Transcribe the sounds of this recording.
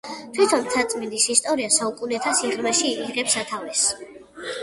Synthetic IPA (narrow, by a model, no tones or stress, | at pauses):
t̪ʰwit̪ʰɔnt̪sʰat̪sʼmind̪isist̪ʼɔɾiasaukʼunɛt̪ʰasiʁmɛʃiːʁɛpsat̪ʰavɛs